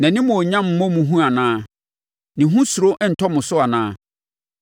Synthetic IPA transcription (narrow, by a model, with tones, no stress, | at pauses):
nã˨nɪ̃˦mʊ̃˨o˨ɲã˦m̩˦mɔ̃˦mũ˨ɦũ˦a˨nãː˦ | nɪ̃˨ɦũ˦su˨ɾo˦ʔn̩˨tʰɔ˦mʊ̃˨sʊ˦a˨nãː˦